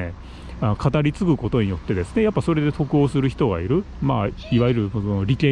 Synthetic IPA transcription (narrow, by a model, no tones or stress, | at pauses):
e | anokʰat̪aɾʲit͡sɨɡɯ̟ko̞t̪o̞ɲ̟ijo̞t̪ːe̞d̪e̞sɨ̥ne̞japːaso̞ɾe̞d̪e̞t̪o̞kɯ̟o̞ːsɨɾɯ̟çi̥t̪o̞ɡa̰iɾɯ̟ | maːiβajɯɾɯ̟onoɾʲikẽ